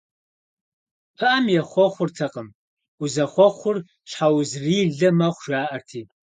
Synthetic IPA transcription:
pʰɨʔɐmjɛχʷɔχʷʊrtʰɐqəm | ʊzɐχʷɔχʷʊr | ɕħawzriːɮɐmɐχʷʒaːʔɐrtʰiː

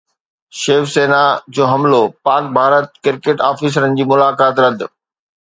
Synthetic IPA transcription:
ʃeːfseːnad͡ʑoːɦɐmlopaːk̚bʱaːɾət̪̚kɪɾkeːʈaːfiːs̬əɾənɪ̆d͡ʑiːmʊlaːkaːt̪ɾɐd̪̆ʱ

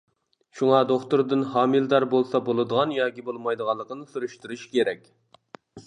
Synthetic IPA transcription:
ʃuŋɑd̪oχt̪uɾd̪ɨnɦɑːmild̪ɑɾbolˠsɑbolˠɨd̪əʁɑnjɑɡʲibolˠmɑjd̪əʁɑlˠːəqnɨsyɾyʃt̪yɾyʃkʲʰeɾɛkʲ

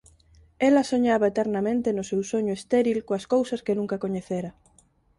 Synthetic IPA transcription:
elɐsoɲaβɐet̪ɛɾnamẽnt̪enʊsewsoɲʊest̪eɾilkoɐskowsɐskenũŋkɐkoɲeθeɾɐ

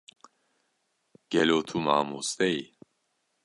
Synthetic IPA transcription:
ɡ̥ɛlot̪ʰuma̰ːmust̪ɛj

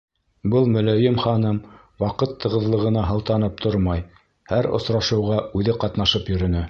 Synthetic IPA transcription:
bɤlˠmɵ̆læjɘmχɑnɤm | wɑqɤt̪ːɤ̆ʁɤ̆ðlˠɤ̆ʁɤ̆nɑɦɤ̆lˠt̪ɑn̪ɤp̚t̪ʰoɾmɑj | hæɾŏ̰sɾɑʃɤ̆wʁɑʉðɘqɑt̪nɑʃɤpjɵ̆ɾɵ̆nɘ

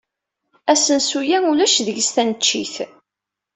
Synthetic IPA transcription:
æsənsujænulæʃðəʝst̪ænət͡ʃːiθ

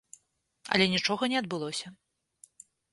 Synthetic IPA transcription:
ɐ̰lʲɛnʲit͡ʂɔɣɐnʲɛɐd̪̚bɨlˠɔsʲɐ

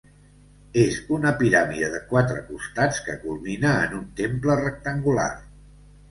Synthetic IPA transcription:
ezunəpiɾamiəðəkwat̪ɾəkust̪at͡skə̰kulˠminəːnunt̪emplərək̚t̪əŋɡula̰r

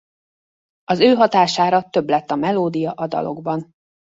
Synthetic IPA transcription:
ɒzøːɦɒt̪aːʃaːɾɒt̪ø̞blɛt̪ːɒmɛloːd̪ijɒʔɒd̪ɒ̰lo̞̰ɡbɒn

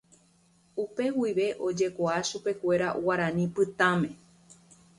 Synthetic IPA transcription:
upe̞wiʋe̞ʔo̞d͡ʒe̞koaʃupe̞kʷe̞ɾaʔwaɾãnĩpɨt̪ãmẽ̞

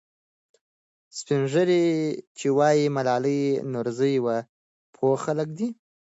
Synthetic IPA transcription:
spinʐəɾet͡ʃewɑjimalɑləjnʊɾzəjwa | pʰoxalək̚d̪i

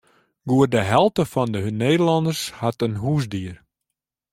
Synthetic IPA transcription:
ɡuərdəɦɛlˠtəfɔndəɦønːeːdəlɔndərshatənɦuːsdiər

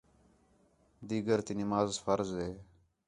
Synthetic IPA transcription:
d̪iːɡəɾt̪iːnɪmaːzfəɾzɦeː

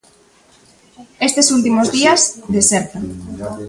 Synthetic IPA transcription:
est̪esult̪̬imozðiazðeseɾt̪a

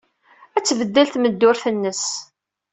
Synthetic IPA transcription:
æt͡sːvəd̪ːəlt̪məd̪ːʊɾθənːəs

